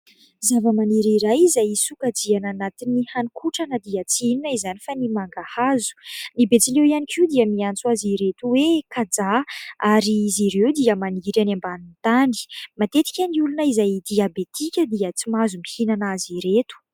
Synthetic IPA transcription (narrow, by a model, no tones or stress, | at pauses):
zavəmaniɾiɾajizajisukad͡ziananat̪inihanikʰuʈ͡ʂanəd̪iat͡sinunaizanifanimaŋɡahazu̥nibet͡silewianikʲʰiwd̪iəmiant͡suaziɾet̪uwekad͡zaaɾiiziɾewd̪iəmaniɾanambanint̪ani̥mat̪et̪i̥kʲaniulunəizajd̪iabet̪ʰikʲəd̪iət͡simazumihinanaziɾet̪u̥